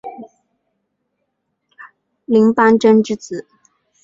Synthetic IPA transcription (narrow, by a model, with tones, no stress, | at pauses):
li˧˥ŋpa˥nʈ͡ʂə˥nʈ͡ʂɻ̩˥t͡sɹ̩˨˩˦